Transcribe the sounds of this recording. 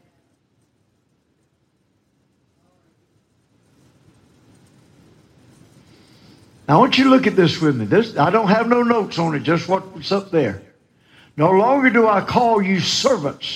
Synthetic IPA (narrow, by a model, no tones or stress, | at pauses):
naʊwʌ̃nt͡ʃɨɾlʊkɨt̪̚ðɪswɪðmiðɪzaɪɾõʊ̃nt̚ɦɨvnoʊnoʊtsn̩ɨt̚d̥ʒ̥ʌst̚wʌt̚tsʌp̚ðə˞ | noʊlɔ̃ŋɡə˞dəaɪkʰɔlˠjɨsɜ˞və̃nts